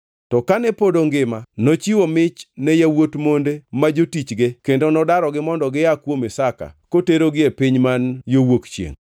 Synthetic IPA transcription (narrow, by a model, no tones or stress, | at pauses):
tɔkanɛpodoŋɡɪmanot͡ʃiwomɪt͡ʃnɛjawotmondemad͡ʒotit͡ʃɡekendonɔdaɾɔɡɪmɔndɔɡɪjakwomesaka̰koteɾoɡɪepɪɲmanjowokt͡ʃjḛŋ